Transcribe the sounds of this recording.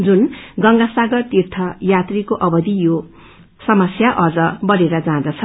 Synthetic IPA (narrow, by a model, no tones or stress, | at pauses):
d͡zunɡʌŋɡasaɡʌrt̪irt̪ʰʌjat̪rikoʔʌbʌd̪ijo | sʌmʌsjaʔʌd͡zʌbʌɾeɾʌd͡zãd̪ʌt͡sʰʌ